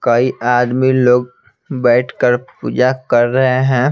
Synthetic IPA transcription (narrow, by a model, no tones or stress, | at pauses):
kɐiʔaːd̪miloːɡ̚ | bɛːʈʰkəɾpṵːd͡ʒakɐɾːɐɦeɦɛ̃ː